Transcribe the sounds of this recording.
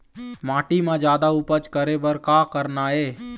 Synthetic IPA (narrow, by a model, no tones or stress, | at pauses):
mãːʈimãd͡ʒjaːd̪aʊpət͡ʃkəɾebəɾkaːkəɾnaeː